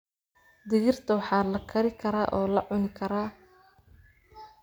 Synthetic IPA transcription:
d̪ɪɣɪrt̪ʰɐwɑħɑːlɐkʰɐɾɪkʰɐɾaːʔɔːlɐʕʊnɪkʰɐɾaː

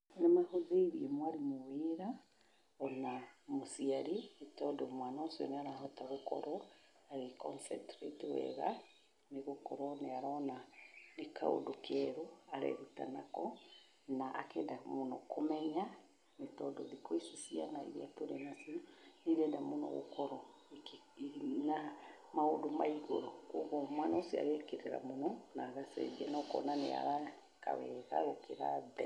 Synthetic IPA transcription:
namahoðeiɾiɛmwaɾimoweɾa | ɔnamosiaɾemetɔdɔmwanɔsiɔ̰neaɾahɔtaɣokɔ̰ɾɔ | aɣekɔ̰nsɛtɾḛtewɛ̰ɣa̰ | neɣokɔɾɔneaɾɔnaneka̰o̰dokɛɾoaɾɛ̰ɾuta̰nakɔ | naʔakɛdamonɔkʰomɛɲa | netɔdɔðikoisisianaḭɾiatoɾɛnasinoneɾɛdamonɔ̰ɣo̰kɔɾɔ | k | namaodomaiɣoɾooɣɔmanɔsia̰ɣekeɾeɾa̰monɔnaɣasɛ̰ðiɛnɔkɔ̰nanea̰ɾa | ka̰βɛɣa̰ɣokeɾaðɛ

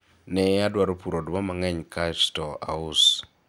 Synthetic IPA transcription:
nɛadwaɾopuɾodwamaŋɛɲkaʃtɔa̰ʊs

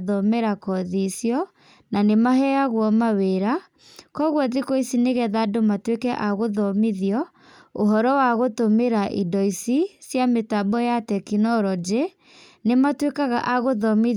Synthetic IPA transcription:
ðɔmɛɾakɔðisjɔ | nanemaɦɛaɣwɔmaweɾa | kɔɣwɔðikoisineɣɛðadomatwekɛʔaɣoðɔmiðiɔ | oɦɔɾɔwaɣotomeɾaʔidɔisisjametabɔjatɛkinɔɾɔd͡ʒe | nematwekaɣa̰ʔaɣoðɔmi

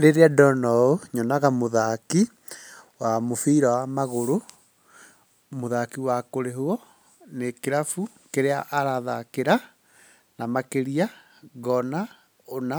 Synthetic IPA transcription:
ɾeɾeadɔnɔoɲɔnaɣamoðaki | wamofiːɾawamaɣoɾo | moðakiwakoɾeɦoɔ | nekeɾafu | keɾeaʔaɾaða̰keɾa | namakeɾia | ɣɔna | ona

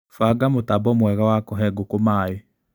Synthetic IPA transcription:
faɡamotabɔmwɛɣawakɔɦɛɡokomaːe

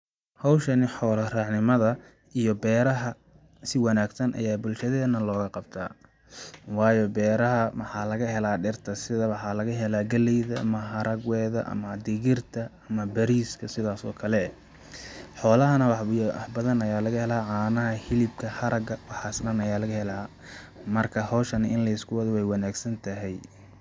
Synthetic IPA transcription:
hɑwʃɐnɪħɔːlɐrɑʕnɪmɐðɐ | ʔijɔbɛːɾɐɦɐ | sɪwɑnaːɡsɐnʔɐ̰jaːbʊlʃɐðɛːnɐlɔːɣɐqɑb̚t̪ʰa̰ː | wɑːjɔbɛːɾɐɦɐmɑħɑːlɐɣɐhɛlaːɖɛrt̪ʰɐsɪðɐwɑħɑːlɐɣɐɦɛlaːɡɐlɛjðɐʔɐmɐɦɐɾʔɐɡwɛːðɐ̰ʔɐ̰mɐd̪ɪɣɪrt̪ʰɐɐmɐbɐɾiːskʰɐsɪðaːsɔ̰ːkʰɐlɛ | ħɔːlɐɦɐnɐwɑħħbɐðɐnɐjaːlɐɣɐhɛlaːʕɑːnɐɦɐhɪlɪb̚kʰɐhɐɾɐɡɐwɑħɑːsɗɐnɐjaːlɐɣɐhɛlaː | mɐrkʰɐhɔːʃɐnɪʔɪnlɐɪskʰʊwɐðɔwɛjwɑnaːɡsɐnt̪ʰɐɦɛj

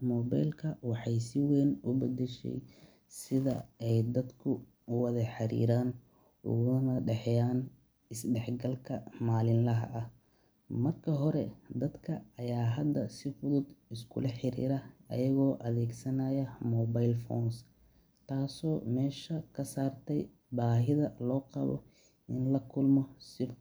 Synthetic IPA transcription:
mɔːba̰jlkʰɐwɑħɑjsɪwɛːnʊbɐd̪ɛʃɛ̰j | sɪðɐ̰ɛjd̪ɐd̪kʰʊ | wɐðɐħɑɾḭːɾaːn | ʊ̰ɣʊɐnɐɖɛħjaːn | ɪsɖɛħɡɐlkʰɐmaːlɪnlɐɦɐ̰ʔɐh | mɐrkʰɐɦɔɾɛd̪ɐd̪kʰɐɐjaːɦɐd̪ːɐsɪfʊðʊd̪ɪskʰʊ̰lɐħɪɾḭːɾɐɐ̰jɐɣɔːʔɐðɛːɡsɐnaːjɐmɔːbajlfɔ̰ːns | t̪ʰaːsɔːmɛːʃɐkʰɐsaːrt̪ʰɛj | baːɦɪðɐlɔːqɑ̰βɔ̰ | ɪnlɐkʰʊlmɔsɪ

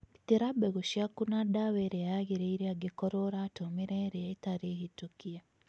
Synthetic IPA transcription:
it̪iɾabɛɣuʃiakunaɗawɛɾɛaɣiɾeiɾiaɡekɔɾoɾatomiɾɛɾɛaitaɾihitukia

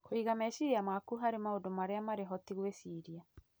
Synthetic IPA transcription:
koiɣamɛʃiɾiamakuɦaɾemaodomaɾeamaɾeɦɔtiɣwesiɾia

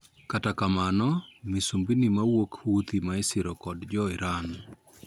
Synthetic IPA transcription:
katakamanɔmisumbinimawokhut̪imaɪsɪɾɔkɔdd͡ʒɔɪɾan

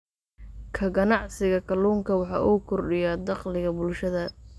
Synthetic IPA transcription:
kʰɐɡɐnɑʕsɪɣɐkʰɐluːŋkʰɐwɑħɑ̰ʔuːkʰɔrɖɪjɐd̪ɑqlɪɣɐbʊlʃɐðɐ

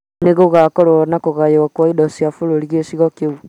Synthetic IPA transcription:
neɣoɣakɔɾɔnakoɣajɔkwaidɔsiafoɾoɾiɣesiɣɔkeu

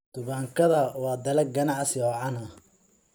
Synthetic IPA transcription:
t̪ʊβaːŋkʰɐðɐwɑːd̪ɐlɐɡɐnɑʕsɔːʕɑnɐ

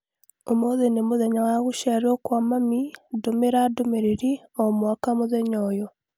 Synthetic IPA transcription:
omoðenemoðeɲawaɣuʃaɾokwamamidomeɾadomeɾeɾiɔmwakamoðɛɲɔjɔ

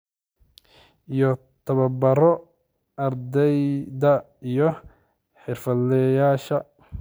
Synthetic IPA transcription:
ijɔ | t̪ʰɐβɐbɐɾɔ | ɐrd̪ɛjd̪ɐ | ijɔ | ħɪrfɐlɛjaːʃɐ

